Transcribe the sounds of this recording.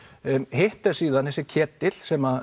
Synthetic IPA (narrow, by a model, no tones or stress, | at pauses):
heht̪ɛɾ̥siːðanɛsɪcʰɛːt̪ːɪl̥sɛma